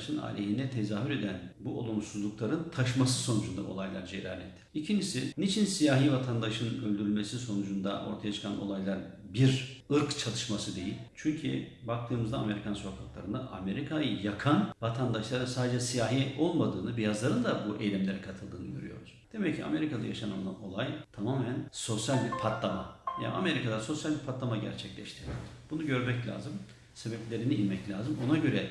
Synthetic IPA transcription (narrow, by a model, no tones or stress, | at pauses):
ʃɯna̰ːlʲeɦind̪ɛt̪ʰe̞zaːɦyɾe̞d̪ænbuo̞̰lˠumsuzlˠuklˠaɾɯnt̪ʰaʃmasɯ̥so̞nud͡ʒund̪a̰o̞lˠajlˠa̰ɾd͡ʒeɾaːlʲɛt̪ʰːicʰind͡ʒisinit͡ʃʰinsijaːɦiːvat̪ʰand̪aʃɯnølʲd̪yɾylʲmesiso̞nud͡ʒund̪aʔo̞̰ɾt̪ʰajat͡ʃʰɯ̥kʰano̞̰lˠajlˠaɾbiɾɯɾkt͡ʃʰalˠɯʃmasɯd̪e̞jilʲt͡ʃʰyɲcʰḭ | bak̚t̪ʰɯːmɯzd̪aame̞ɾikʰanso̞kʰaklˠaɾɯnd̪aʔa̰me̞ɾikʰajɯjakʰanvat̪ʰand̪aʃlˠaɾɯnsaːd̪ed͡ʒɛsijaːɦijɛʔo̞lˠmad̪ɯːnɯbijazlˠaɾɯnd̪abuʔejlʲimlʲe̞ɾɛkʰat̪ʰɯlˠd̪ɯːnɯɟø̰ɾy̰jo̞̰ɾuz̥d̪̥e̞mɛcʰːia̰me̞ɾikad̪ajaʃana̰nlˠa̰no̞̰lˠajt̪ʰamaːmænso̞sjalʲpʰat̪lˠama̰ja̰na̰me̞ɾikad̪aso̞sjalʲipʰat̪lˠamaɟæ̰ɾt͡ʃʰɛclʲɛ̰ʃt̪ʰiɾb̥unuɟø̞ɾmɛclʲa̰ːzɯm | sebɛplʲe̞ɾiniinmɛclʲaːzɯmo̞naɟø̞ɾɛ